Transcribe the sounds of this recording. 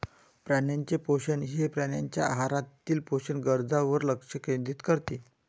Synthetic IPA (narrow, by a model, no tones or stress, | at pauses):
pɾanjaɲt͡ɕepoɕənɦepɾanjaɲt͡ɕja̰ɦaɾat̪iːlpoɕənɡəɾd͡zaʋəɾləkʂəkend̪iːt̪kəɾt̪iː